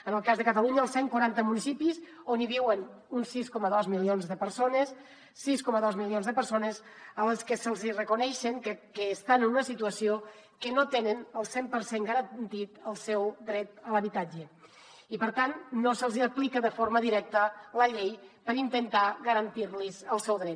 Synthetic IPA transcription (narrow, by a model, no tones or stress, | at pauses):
ənəlˠkazðəkət̪əluɲəlˠseŋkwaɾant̪əmunisipiz | oniβiwən | unsiskɔməðɔzmilionzðəpəɾsonəs | siskɔməðɔzmilionzðəpəɾsonəz | ələskəsəlˠzirəkunɛʃəŋkkəːst̪anənunəsit̪uəsiokənot̪enənəlˠsempəɾseŋɡəɾənt̪it̪əlˠsɛwd̪ɾɛt̪ələβit̪ad͡ʒə | ipəɾt̪anːosəlˠziəplikəðəfoɾməðiɾɛk̚t̪ələʎejpəɾint̪ənt̪aɣəɾənt̪iɾlizəlˠsɛwðɾɛt̪